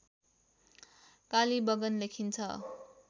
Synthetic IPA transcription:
kalibʌɡʌnlekʰint͡sʰʌ̰

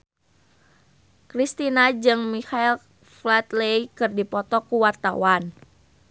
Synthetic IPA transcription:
kɾist̪inad͡ʒɨŋmihail | flat̪leikɨrdipɔt̪ɔkuwart̪a̰wan

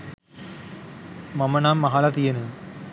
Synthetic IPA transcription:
mɐmɐnaːmːɐɦaːlɐt̪ijɐnɯ

